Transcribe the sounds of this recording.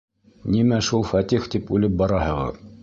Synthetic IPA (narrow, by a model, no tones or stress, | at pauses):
nimæʃulˠfɑt̪ʲixt̪ipʉlɘp̚bɑɾɑhɤ̆ʁɤ̰